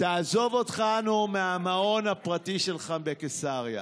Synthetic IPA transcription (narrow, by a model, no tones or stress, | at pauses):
t̪aazo̞vo̞tχanumeamao̞napʁatiʃelχabekesaʁja̰